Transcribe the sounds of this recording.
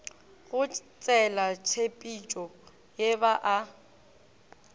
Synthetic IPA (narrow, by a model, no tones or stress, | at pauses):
ɣʊt͡sʼɛlat͡ʃʰepʼit͡ʃʼɔ | jeβaʔa